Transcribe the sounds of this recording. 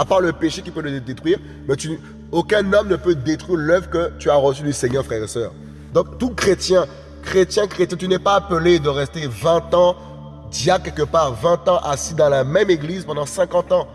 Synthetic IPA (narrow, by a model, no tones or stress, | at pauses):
apaʁləpeʃekʲipøləd̪et̪χwɥiʁ | mɛt̪y | okɛ̃nɔmnəpød̪et̪χwiʁlœvʁkət̪yaʁəsyd̪yseɲœʁfχɛʁesœːʁ | d̪ɔ̃k̚t̪ukχet̪jɛ̃ | kχet̪jɛ̃kχet̪jɛ̃t̪ynɛpaːpəled̪əʁɛst̪evɛ̃t̪ɑ̃ | d̪jakʲɛlkəpaːʁvɛ̃t̪ɑ̃ʔasid̪ɑ̃lamɛmeɡlizpɑ̃d̪ɑ̃sɛ̃kɑ̃t̪ɑ̃